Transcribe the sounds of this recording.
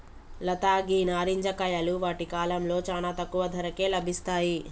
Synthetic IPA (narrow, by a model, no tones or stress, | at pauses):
lɐt̪aːɡiːnaːɾiɲd͡ʒɐkɐjɐluʋaːʈikaːlɐmlo̞ːt͡ʃaːnaːt̪ɐkːuʋɐd̪ʱɐɾɐke̞ːlɐbʱist̪aːji